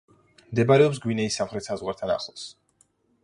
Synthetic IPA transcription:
md̪ɛbaɾɛɔps̬ɡwinɛisːamχɾɛt̪sazʁwaɾt̪ʰana̰χlˠs

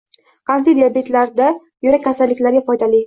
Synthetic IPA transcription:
kʰanfed̪iabe̞t̪laɾd̪a | jʊɾakʲʰːasalːɪkʲlaɾɡʲafɒjd̪ali

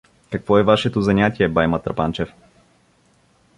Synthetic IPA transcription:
kɐkvɔɛvaʃɛt̪ozanʲat̪ʲiɛbajmɐt̪ɾɐpant͡ʃɛf

